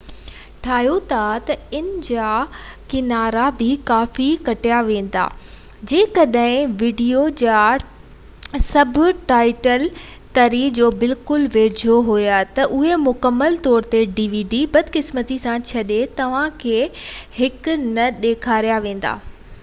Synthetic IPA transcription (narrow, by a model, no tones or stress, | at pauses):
ʈʰaːɦjot̪ʰat̪ɐɪnɪd͡ʑakɪnaːɾabʱɪkaːfikɐʈijaʋẽːn̆d̪a̰ː | d͡ʑẽːkɐɗɦɪ̃ʋiːɖijod͡ʑaː | sɐbʱʊʈaːɪʈəl | t̪ɐɾiːd͡ʑoːbɪlkʊlʋeːd͡ʑʱoɦujat̪ɐʔʊɦemʊkəmːəlt̪ɔːɾt̪eɖiːʋiːɖibɐd̪ʱkɪsmət̪isãt͡ɕʰɐɗet̪ɐʋ̤ãkʰeːhɪkʊnɐɗeːkʰaːɾijaʋẽːn̆d̪a̰ː